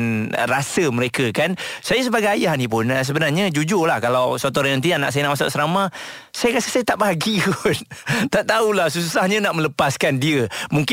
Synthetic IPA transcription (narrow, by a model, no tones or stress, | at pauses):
n̰rasəməɾekəkansajas̬əbaɡajajahnipʊnəs̬əbənarɲad͡ʒud͡ʒʊrlahkalawswat̪ɔɾanənt̪iana̰ʔsajanaʔmasa̰ʔsəɾama | sajakasəsajat̪aʔbaɡikunt̪aʔt̪aulahsus̬usahɲanaʔmə̃ləpaskandiəmuŋk